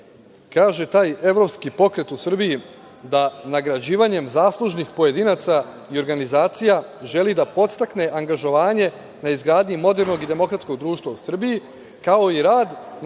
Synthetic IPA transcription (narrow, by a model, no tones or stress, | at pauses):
kaːʒe̞t̪aːje̞ʋɾo̞pskipo̞kɾe̞t̪usr̩biji | d̪anaɡɾad͡ʑiːʋaɲe̞mzaːslˠuʒnixpo̞je̞d̪iːnaːt̪sa | io̞ɾɡanizaːt̪sija | ʒe̞lid̪apo̞t̪st̪akne̞ʔaŋɡaʒo̞ʋaːɲe̞ | naizɡɾaːd̪ɲimo̞d̪eɾno̞ɡid̪e̞mo̞kɾat̪sko̞ɡd̪ɾuːʃt̪ʋausr̩biji | kao̞iɾaːd̪n